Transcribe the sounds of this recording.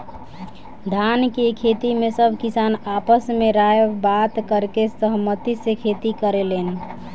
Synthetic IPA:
d̪ʱankekʰet̪imesəbʱkisanapəsmeɾaebat̪kəɾkesəɦmət̪isekʰet̪ikəɾelen

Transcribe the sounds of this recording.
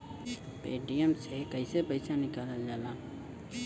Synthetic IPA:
peːɖijəmsekəɪsepəɪsanɪkaːləld͡ʒaːlaː

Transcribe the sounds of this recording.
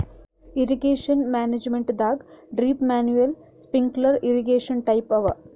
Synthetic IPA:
iɾiɡeːʂɐnmaːned͡ʒmeɳʈd̪aːɡɖɾiːpmaːnjuʋel | spiŋɡlɐɾiɾiɡeːʂɐnʈɐjpɐʋɐ

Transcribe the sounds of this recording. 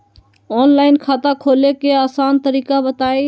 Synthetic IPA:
ɔːnlaːɪnkʰaːt̪akʰoːlekeaːsaːnt̪əɾiːkabət̪aːe

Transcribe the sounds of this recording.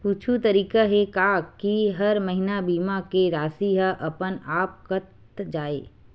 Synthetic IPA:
puːt͡ʃʰut̪ɐɾiːkaɦekaːkiɦɐɾmɐɦɪnabiːmakeɾaːsiɦaʔɐpənaːp̚kət̪ | d͡ʒaːḛː

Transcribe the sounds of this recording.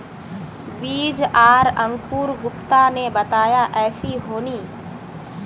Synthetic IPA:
biːd͡ʒaːɾə̃ŋɡpuːɾɡʊpt̪aːnebət̪aːjaːʔɛːsiɦoːniː

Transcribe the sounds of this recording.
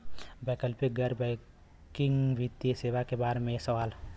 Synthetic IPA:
bɛːkəlpik̚ɡəɾbɛ | kɪ̃ŋɡʋɪt̪jəseːʋakebaːɾemẽsəʋaːl

